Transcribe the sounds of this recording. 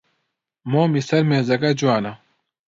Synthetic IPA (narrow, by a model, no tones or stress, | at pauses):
moːmisɐɾmẽːzɐkɐd͡ʑuaːna